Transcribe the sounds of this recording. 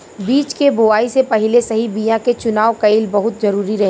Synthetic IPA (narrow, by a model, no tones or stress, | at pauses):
biːt͡ʃkebʊaːisepɐɦɪlesɐɦibijãket͡ʃʊnaːʋokɐiːlbɐɦʊt̪zɐɾuːɾiɾɐɦe